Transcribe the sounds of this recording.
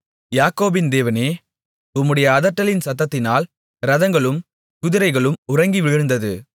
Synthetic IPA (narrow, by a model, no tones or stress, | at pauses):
jaːkoːbɪnd̪eːʋɐneː | ʊmːɯɽɐjɐːðɐʈːɐlɪnsɐt̪ːɐt̪ːɪnaːl | ɾɐðɐŋɡɐɭɯm | kʊðɪɾɐɪɣɐɭɯmʊrɐŋɡiʋɪɻɪɻɯnd̪ɐðɯ